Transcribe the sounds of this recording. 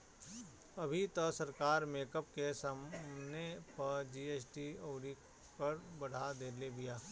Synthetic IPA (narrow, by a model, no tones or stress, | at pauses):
ɐbʱit̪əsɐɾkaːɾmeːkəp̚kesanepɐɾd͡ʒiːeːsʈioːɾi | pɐɾbɐɽ̤ad̪eːlebijaː